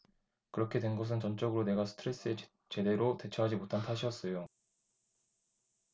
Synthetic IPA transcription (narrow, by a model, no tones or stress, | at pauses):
kɯɾʌkʰe̞dwe̞nɡʌs̬ʰɯnt͡ɕʌnt͡ɕ͈ʌɡɯɾone̞ɡasʰɯ̥tʰɯɾe̞s͈ɯe | t͡ɕe̞de̞ɾote̞t͡ɕʰʌɦad͡ʑimotʰantʰaɕʰiʌs͈ʌjo